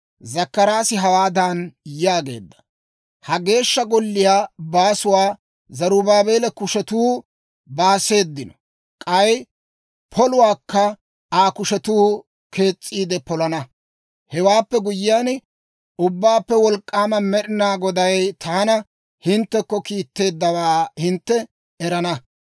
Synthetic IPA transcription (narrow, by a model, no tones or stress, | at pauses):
zɐkːɐɾaːsɪɦɐwaːd̪aːnjaːɡe̞̰ːd̪ːɐ̥ | hɐɡe̞ːʃːɐɡɔlːɪjaːbaːsʊwaː | zɐɾubaːbe̞ːlɛkʊʃɛt̪uː | baːse̞ːd̪ːɪnɔ | kʼɐj | pʰɔlʊwaːkːɐ | aːkʊʃɛt̪uː | kʰe̞ːt͡sʼːiːd̪ɛpɔlɐnɐ | hɛwaːpːɛɡʊjɪjaːn | ʔʊbːaːpːɛwɔlkʼːaːmɐmɛɗɪnaːɡɔd̪ɐjt̪ʰaːnɐ | hɪnt̪ːɛkːɔkiːt̪ːe̞ːd̪ːɐwaːhɪnt̪ːɛ | ɛɾɐnɐ